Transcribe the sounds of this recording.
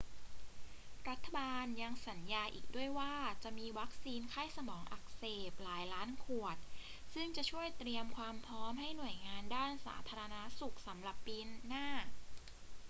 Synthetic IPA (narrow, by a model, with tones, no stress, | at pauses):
ɾa˦˥t̪ʰːa˧baː˧nja˧ŋsa˩˦njaː˧ʔiː˨˩k̚du˥˩əjwaː˥˩t͡ɕa˨˩ʔmiː˧wa˦˥k̚siː˧nkʰa˥˩jsa˧mɔː˩˦ŋʔa̰˨˩k̚seː˨˩p̚laː˩˦jlaː˦˥nkʰu˨˩ət̪̚sɯ˥˩ŋt͡ɕa˨˩t͡ɕʰu˥˩əjt̪ɾi˧əmkʰwaː˧mpʰɾɔː˦˥mɦa˥˩jnu˨˩əjŋaː˧ndaː˥˩nsa̰ː˩˦t̪ʰaː˧ɾa˧na˦˥su˨˩k̚sa˩˦mla˨˩pːiː˧nːaː˥˩